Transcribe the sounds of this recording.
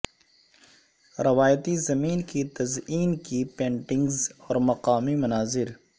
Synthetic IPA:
ɾɐʋaːjt̪izɐmiːnkit̪ɐziːnkipẽːɳʈɪ̃ŋɡzɔːɾmɐqaːmimɐnaːzɪɾ

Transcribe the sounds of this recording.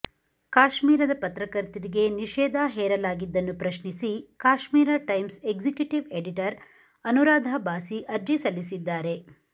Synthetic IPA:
kaːʃmiːɾɐd̪ɐpɐt̪ɾɐkɐɾt̪iɾiɡe̞niʃɛːd̪ʱaɦɛːɾɐlaːɡid̪ːɐnːupɾɐʃɳisikaːʃmiːɾɐʈɐjmseɡzikjuʈiʋeɖiʈɐɾ | ɐnuɾaːd̪ʱabaːsiʔɐɾd͡ʒisɐlisid̪ːaːɾe̞

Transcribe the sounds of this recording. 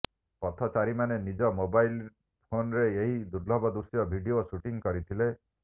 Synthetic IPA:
pɔt̪ʰɔt͡ʃaɾimanenid͡ʒɔmobajl | pʰonɔɾeeɦid̪uɾlɔbɔd̪uɾsjɔbʱiɖiosuʈiŋkɔɾit̪ʰile

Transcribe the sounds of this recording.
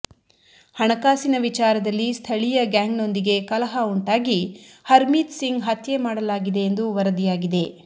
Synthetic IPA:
hɐɳɐkaːsinɐʋit͡ʃaːɾɐd̪ɐlːist̪ʰɐɭijɐɡaːŋɡno̞nd̪iɡe̞kɐlɐɦauɳʈaːɡihɐɾmiːt̪siŋɡɦɐt̪jemaːɽɐlaːɡid̪e̞jːnd̪uʋɐɾɐd̪ijaːɡid̪e̞

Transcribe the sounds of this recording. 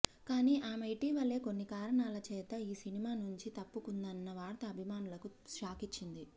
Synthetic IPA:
kaːniːʔaːmɐjʈiːʋɐlːe̞ːko̞nːikaːɾɐɳaːlɐt͡ʃɛːt̪ɐiːsinimaːnuɲt͡ʃit̪ɐpːukund̪ɐnːɐʋaːɽɐt̪ɐːbʱimaːnulɐkuʃaːkit͡ʃːind̪i

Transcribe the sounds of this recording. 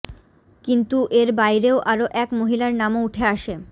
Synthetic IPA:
kint̪uʔeɾbajɾeoʔaɾoʔɛkmoɦilaɾnamouʈʰeaʃe

